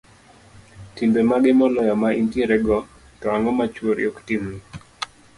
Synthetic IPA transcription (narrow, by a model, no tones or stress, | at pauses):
timbemaɡɪmɔlɔjɔmainteɾɛɡɔ | tɔaŋɔmat͡ʃwoɾj̰oktimni